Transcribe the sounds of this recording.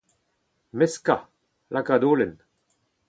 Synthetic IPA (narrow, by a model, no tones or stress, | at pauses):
mɛska | lʔakad̪oːlɛn